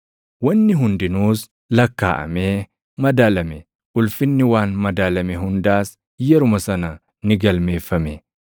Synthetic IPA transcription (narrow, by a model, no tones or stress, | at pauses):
wɐnːɪɦʊnd̪ɪnuːs | lɐkːa̰ːʔɐ̰meː | mɐd̪aːlɐmɛ | ʔʊlfɪnːɪwaːnmɐd̪aːlɐmɛɦʊnd̪aːs | jɛɾʊmɐsɐnɐ | nɪɡɐlmeːfːɐmɛ